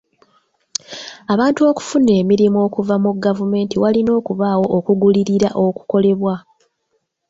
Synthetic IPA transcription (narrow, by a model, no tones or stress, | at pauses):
aβaːntuo̞ːku̥fune̞ːmiɾimuo̞ːkuvamuɡavume̞ːntiwalino̞ːkuβaːwo̞ʔokuɡuliɾiɾaʔo̞ku̥ko̞le̞βwa